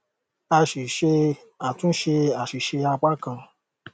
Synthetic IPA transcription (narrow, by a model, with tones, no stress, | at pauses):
a˧ʃi˨ʃe˧ | a˨tũ˦ʃe˧a˨ʃi˨ʃe˧a˧k͡pa˦kã˧˨